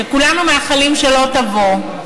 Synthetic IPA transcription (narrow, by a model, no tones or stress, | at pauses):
ekulanumaːχalimʃelo̞tɐvo